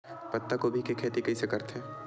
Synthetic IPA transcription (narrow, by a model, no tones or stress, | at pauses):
pɐt̪ːakobʱikʰekʰeːt̪ikɐisekɐɾt̪eː